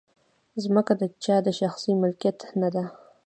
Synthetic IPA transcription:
zməkad̪ət͡ʃɑd̪əʃaxsimʊlkjat̪nad̪a

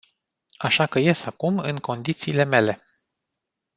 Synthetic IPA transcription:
aʃakəje̞sakumɨŋko̞nd̪it̪siːle̞me̞le̞

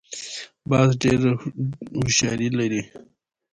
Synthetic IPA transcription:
bɑzɖeɾ | hʊʃɑɾilaɾi

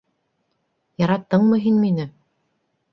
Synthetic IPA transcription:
jɑɾɑt̪ːɤɴmɤɦinminɘ

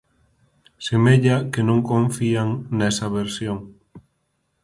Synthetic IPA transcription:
semeʎakenõŋkõɱfiaŋnɛsɐβeɾsjoŋ

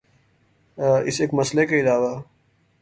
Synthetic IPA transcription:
ɪseːkmɐslekeɪlaːwa

